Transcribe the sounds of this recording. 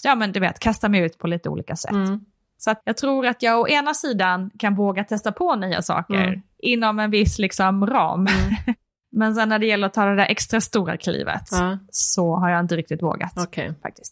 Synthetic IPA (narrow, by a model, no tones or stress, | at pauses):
jɑːmɛnd̪ɵveːt̪kʰast̪amɛjʉ̟ːt̪pʰɔliːt̪əṵːliːkasɛ̰t̪ː | sɔat̪jɑɡt̪ʰɾuːɾat̪jɑːɡɔʔeːnasiːd̪ankʰanvoːɡat̪ʰɛst̪apʰɔnyːa̰sɑ̰ːkə̰ɾʔɪnːɔmɛnvɪslɪksɔmɾɑ̰ːm | mɛns̬ɛnːæɖɛjɛlːəɾɔt̪ʰɑːd̪ɛd̪æɾʔɛkst̪ɾast̪uːɾa̰kʰlḭːvə̰t̪ːsɔɦaɾjaɪnt̪əɾɪk̚t̪ɪt̪vo̰ːɡa̰t̪kʰɛfa̰k̚t̪ɪ̥st̪